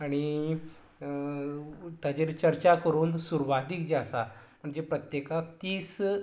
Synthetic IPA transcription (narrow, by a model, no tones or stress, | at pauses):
aɽ̃i | t̪ad͡ʑeɾt͡ɕəɾt͡ɕakəɾuːnsuɾʋad̪ikd͡ʑsam̤əɳd͡zepɾət̪jekakt̪iːs